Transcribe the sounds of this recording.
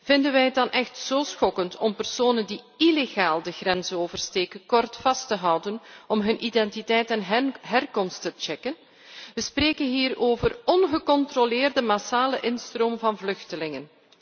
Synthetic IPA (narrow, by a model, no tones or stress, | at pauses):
v̥ɪndənʋɛjət̚dɑnʔɛxtsoːsxɔkəntʰɔmpərsoːnəndi | ileɣaːlˠdəɣrɛnzəoːvərsteːkənkɔrtfɑstəɦɑwdənɔmɦɵnʔidɛntitɛjtɛnɦɛrkɔmstət͡ʃɛkən | ʋəspreːkənɦiːroːvərɔnɣəkɔntrolɪːrdəmasaːləʔɪnstroːmvɑnvlɵxtəlɪŋən